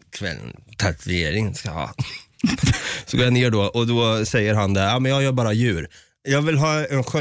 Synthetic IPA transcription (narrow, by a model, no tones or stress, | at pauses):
kʰvɛ̰l̰ːt̪ʰat̪ɾɛjeːɾɪŋənskahɑ̰ː | sɔɡoːɾjaneːɖɔʔɔd̪ɔsɛjːəɾɦand̪ɛaːmɛnjɑːjœːɾbɑːɾajʉ̟ːɾ | jɑːɡvɪlɦɑːɛnɧɛ